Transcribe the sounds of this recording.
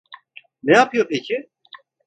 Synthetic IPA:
nɛjapʰɯjopʰecʰi

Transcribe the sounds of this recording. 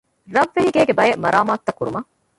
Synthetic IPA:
ɾɐʋːeɦiɡeːɡebɐjemɐɾʔaːmaːt̪ːɐkːuɾṵmɐ

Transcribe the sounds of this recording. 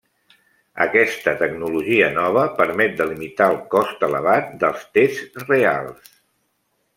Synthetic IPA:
ə̰kɛst̪ət̪əɡnuluʒiənɔβ̞əpəɾmɛt̪̚d̪əlimit̪aəlˠkɔst̪ələ̰β̞at̪̚d̪əlˠst̪ezrea̰lˠs

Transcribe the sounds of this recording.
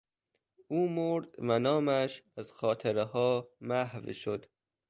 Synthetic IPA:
uːmoɾd̪vænɒːmæʃæzxɒːt̪ʰeɾehɒːmæhvʃod̪̥

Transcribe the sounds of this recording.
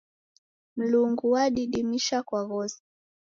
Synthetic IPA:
m̩luŋɡuwaɗiɗimiʃakwaɣɔsi̥

